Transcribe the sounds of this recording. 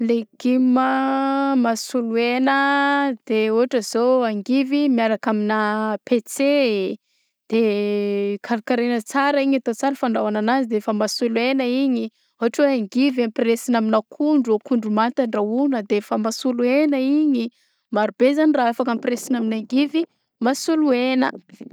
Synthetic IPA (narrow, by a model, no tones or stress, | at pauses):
leɡ̥iməmasuluenəd̪̥euɦaʈ͡ʂəz̥oaŋɡivimiaɾakaminapet͡se | d̪̥e | kʰaɾkaɾenət͡saɾəiɲat̪ot͡saɾəfaɳɖ͡ʐawananazid̪eefəmasuluenəiɲi | uɦaʈ͡ʂweaŋɡivampresinaminakʰuɳɖ͡ʐuokuɳɖ͡ʐumant̪aɳɖ͡ʐaunəd̪eefəmasuluenəiɲi | maɾubezaniraafakampresinaminaŋɡivi | masuluenə̰